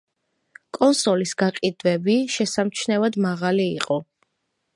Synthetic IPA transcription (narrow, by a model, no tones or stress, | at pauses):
kʼɔnsɔlisɡaqʼid̪vɛbiʃɛsamt͡ʃʰnɛvad̪maʁalḭːqʼɔ